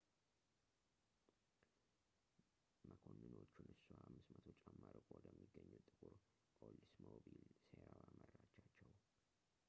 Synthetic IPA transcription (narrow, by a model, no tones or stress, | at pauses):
məkʰonːɨno̞t͡ʃːunɨsuhamːɨsmət̪ʰo̞t͡ʃʼːamːəɾəkʼwd̪əmːiɡːəɲːut̪ʼɨkʼuɾ | kʼolːismobilseɾawamərːat͡ʃːat͡ʃːɛw